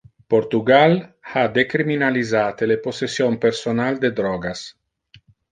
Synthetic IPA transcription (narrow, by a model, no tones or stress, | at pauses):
poɾt̪uɡalhad̪ekɾiminalizaːt̪eleposesjompeɾsonald̪ed̪ɾɔɡas